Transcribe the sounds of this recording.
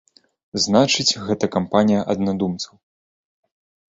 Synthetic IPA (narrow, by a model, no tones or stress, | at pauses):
znat͡ʂɨt͡sʲɣɛt̪ɐkampanʲijɐʔɐd̪nad̪umt̪sɐw